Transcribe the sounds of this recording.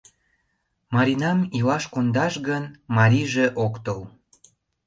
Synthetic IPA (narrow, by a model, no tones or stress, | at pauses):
mɑɾʲinɑmilɑʃkond̪ɑʃɣənmɑɾʲiʒeʔokt̪əl